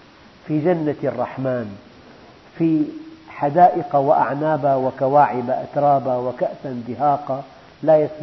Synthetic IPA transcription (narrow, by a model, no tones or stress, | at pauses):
fid͡ʒanːarˤːɑħmaːn | fiħad̪aːʔɪqawɪʔa̰ʕnaːbawɪkawaːʕɪbaʔa̰t̪ɾˤɑːbawɪkaʔsand̪ɪɦaːqa | lajas